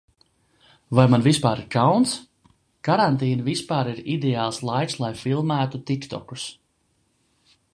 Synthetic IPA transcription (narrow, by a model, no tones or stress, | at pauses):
vajmanvispaːɾiɾkawns | kaɾant̪iːnvispaːɾiɾid̪eaːlˠslˠajk̪slˠajfilˠmæːt̪ut̪ikt̪ɔ̰ku̥s